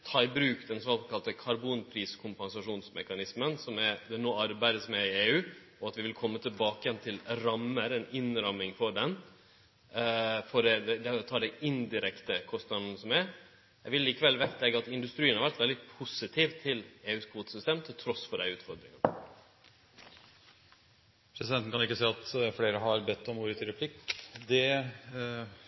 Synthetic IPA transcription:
t̪ʰɑːɪbɾʉːkd̪ɛnsɔɑlkʰɑlt̪əkʰɑɾbuːnpʰɾiːskʰʊmpɛnsɑʂuːnsmɛkɑnɪsmənsɔmɛd̪ɛnoːɑɾbæɪd̪əsmɛɪeːʉː | ɔɑt̪ʋɪʋɪlkʰɔmːət̪ʰɪlbɑːkəjɛnt̪ʰɪlɾɑmːəɾɛnɪnɾɑmːɪŋfɔɖɛn | fɔɾɛd̪ɛd̪ɛt̪ʰɑːd̪æɪʔɪnd̪ɪɾɛkt̪əkʰɔst̪nɑd̪n̩sɔmɛɾ | jæɡʋɪlːiːkəʋɛlʋɛt̪lɛɡəɑt̪ɪnd̪ʉst̪ɾiːnhɑɾʋæɾʈ̪ʋɛld̪ɪpʰusɪt̪ʰiːʋt̪ʰːɪleːʉːskʰʋuːt̪ə̥sʏst̪eːmt̪ʰɪlt̪ʰɾɔsfɔɖæɪʉːt̪fɔɾd̪ɾɪŋən | pʰɾɛsɪd̪ɛnt̪n̩kʰɑnɪkːəsɛɪɑt̪fleːɾəɦɑɾbɛt̪ːɔmuːɾət̪ʰɪɾɛpʰlɪkd̪ɛ

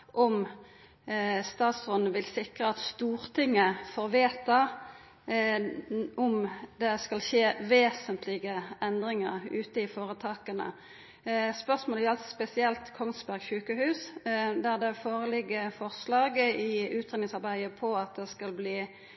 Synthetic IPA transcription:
ʔɔm | st̪ɑːt̪sʁɔnəʋɪlsɪkʁəɑt̪st̪uːʁt̪ʰɪŋːəfɔɾʋeːt̪ɑ | ʔɔmd̪ɛskɑlʃeːʋeːsənt̪ʰlɪɡəɛnd̪ʁɪŋə̰ʁʉːt̪əɪfoːʁət̪ʰɑːkənə̰ | spœʁsmoːljɑlsɔspɛsɪɛlt̪kʰɔŋsbæʁɡçʉːkəhʉːsd̪æʁd̪ɛfoːʁəlɪɡːəfɔʁslɑːɡəɪʉːt̪ʰʁeːnɪŋsɑʁbæɪəpʰɔɑt̪̚d̪ɛskɑlbliː

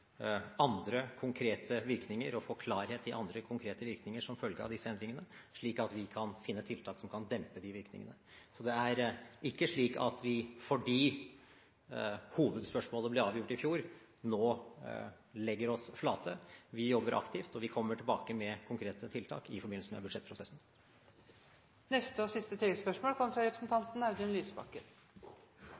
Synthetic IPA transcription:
ɑnd̪ɾəkʰʊŋkʰɾeːt̪ʰəʋɪɾknɪŋəɾɔfoːkʰlɑːɾheːt̪ʰːɪlʔɑnd̪ɾəkʰʊŋkʰɾeːt̪əʋɪɾknɪŋəʂɔmfœlɡəɑ̰ʋd̪ɪsːəɛnd̪ɾɪŋənə | ʂɭiːkɑt̪ʋɪkʰɑnfɪnːət̪ʰɪlt̪ʰɑːksɔmkʰɑnd̪ɛmpəd̪ɪʋɪɾknɪ̰ŋə̰nəsɔd̪ɛæɾɪkːəʂɭiːkɑ̰t̪ʋɪfɔɖiː | huːʋəd̪spœʂmoːləblɪɾɑːʋjʊʈːɪfjuːɾ | noː | lɛɡːəɾɔsflɑːt̪ʰəʋɪjɔbːəɾʔɑ̰kt̪ʰɪft̪ɔʋɪkʰɔmːəʈʰɪlbɑːkəmɛkʰʊŋkʰɾeːt̪ət̪ʰɪlt̪ʰɑ̰ːkɪfɔɾbɪnl̩səmɛ̰bʉʂɛt̪̚pʰɾʊsɛsn̩ | nɛst̪əɔsɪst̪ət̪ʰiləspœʂmoːlkʰɔməfɾɑɾɛpɾəsn̩t̪ʰɑnt̪n̩ɑʊd̪ʉnlyːsbɑ̰kːəɾ

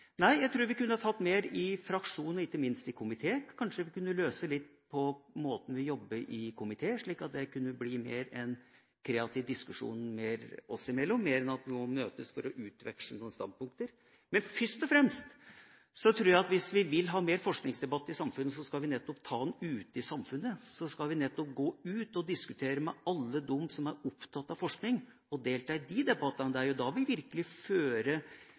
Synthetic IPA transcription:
næɪjæɪt̪ʰɾʉːɾʋɪkʉnːəhɑt̪ʰɑt̪ːmeːɾɪfɾɑkʂuːnəɾɪkːəmɪnst̪ɪkʰʊmɪt̪ʰeːkʰɑnʂəʋɪkʉnːəløːsəlɪt̪ːpʰɔmoːt̪n̩ʋɪjɔbːəɾʔɪkʰʊmɪt̪ʰeːʂɭiːkɑt̪̚d̪ɛkʉnːəblimeːɾɛn | kʰɾeːɑt̪ʰiːʋd̪ɪskʉʂṵːnmeːɾɔsɪmɛlːɔmːeːɾɛnɑt̪ʋɪmɔmøːt̪əsfɔɾɔʔʉːt̪ʋɛ̰kʂənuːnəst̪ɑ̰nd̪̚pʊŋk̚t̪əɾ | mɛnfʏʂt̪ɔfɾɛmst̪ | sɔt̪ʰɾuːjæɪɑt̪ʋɪsʋɪʋɪlɦɑːmeːɾfɔʂknɪŋsd̪ɛbɑt̪ːɪsɑmfʉnːəs̬ɔskɑlʋɪnɛt̪ːɔpt̪ʰɑːd̪ɛnʉːt̪ɪsɑmfʉnːəsɔskɑlʋɪnɛt̪ːɔp̚ɡoːʉːt̪ɔd̪ɪskʉt̪ʰeːɾəmɛɑlːəd̪ɔmːsɔmæɾʊpt̪ʰɑt̪ːɑʋfɔʂknɪŋ | ɔd̪eːlt̪ɑːɪd̪id̪ɛbɑt̪ːənəd̪æɾjʊd̪ɑʋɪlʋɪɾkəlɪføːɾə

